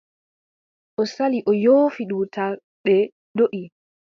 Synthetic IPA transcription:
ʔɔsaliʔɔjoːfiɗutʰa | ɓɛ | doʔi

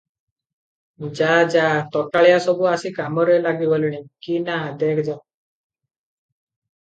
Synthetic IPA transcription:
d͡ʒad͡ʒat̪ɔʈaɭjasɔbʱuasikamɔɾɔjlaɡiʋɔlɽ̃ikinad̪ekʰd͡ʒa

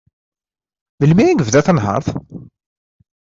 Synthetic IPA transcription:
ðəlmiiɡəvðæθənɦɑ̰ɾˤθ

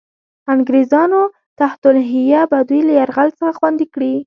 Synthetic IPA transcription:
aŋɡɾezɑno | t̪aht̪ʊlɦɪjabad̪ujlajaɾɣalsəxaxwand̪ikɽi

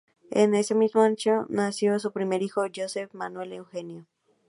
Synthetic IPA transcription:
ḛne̞se̞mizmoãnt͡ʃonasjos̬upɾime̞ɾixod͡ʒosefmanwelewxenjo

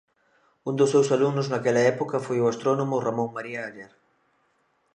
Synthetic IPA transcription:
und̪ʊsːewsalunʊznakɛlɐɛpokɐfojoast̪ɾonomʊramõŋmaɾiaːʎeɾ

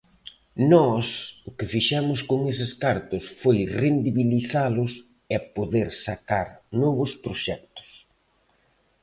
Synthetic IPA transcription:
nɔsʊkɪfiʃɛmʊskoŋes̬ɪskaɾt̪ʊsfojrend̪iβiliθalʊs | ɛpoðeɾsakaɾnɔβʊspɾoʃɛk̚t̪ʊ̥s

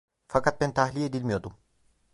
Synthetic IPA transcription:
fakat̪̚bɛnt̪ʰaɦlʲijed̪ilʲmijo̞d̪um

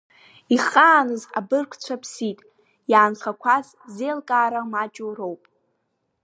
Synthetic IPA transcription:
iχaːnɨza̰bɨrkʷʰt͡ɕʷʰapʰsitʼ | jaːnχakʷʰaz | zelkʼaːɾamat͡ʃʼoro̞wpʼ

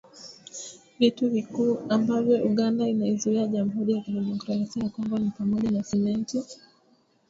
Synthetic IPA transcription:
vituvikuːambavjɔʔuɠandainaizuiaʄam̩ɦuɾijakiliʄɔmkɾaasianakambanipamɔʄanasɛmɛnti

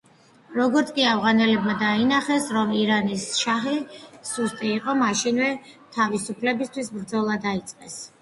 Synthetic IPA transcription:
ɾɔɡɔɾt̪sʰkʼiavʁanɛlɛbmad̪ainaχɛsɾɔmiɾanisʃaɦisust̪ʼiːqʼɔmaʃinvɛ | t̪ʰavisupʰlɛbist̪ʰwisbɾd̪zɔlˠad̪ait̪sʼqʼɛs

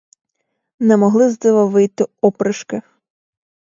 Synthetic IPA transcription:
nɛmɔɦlˠɪzd̪ɪʋɐʋɪjt̪ɪɔpɾɪʃkɪ

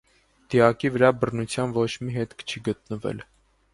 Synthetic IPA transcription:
d̪̥iɑkivəɾɑbərnut͡sʰjɑnvɔt͡ʃʰmiɦɛt̪kʰt͡ʃʰiɡət̪̚nəvɛ̰l

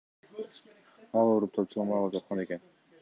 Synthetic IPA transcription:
ɑlˠoɾup̚t̪ʰot͡ʃʰulˠɑmɑlˠɑpd͡ʒɑt̪̚qʰɑne̞ke̞n

